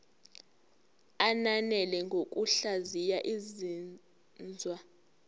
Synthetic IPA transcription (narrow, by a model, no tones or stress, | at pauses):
ananɛlɛŋɡʱok̬ʼuɬazijaʔizi | nd͡zʱwa